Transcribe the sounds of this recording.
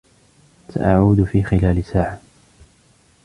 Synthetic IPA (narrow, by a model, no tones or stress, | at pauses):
sa̰ʔaʕuːd̪fiːxɪlaːlɪsaːʕa